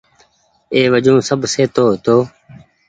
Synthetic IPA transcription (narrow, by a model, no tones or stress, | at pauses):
eːʋəd͡ʒõːsəbseːt̪oːɦt̪oː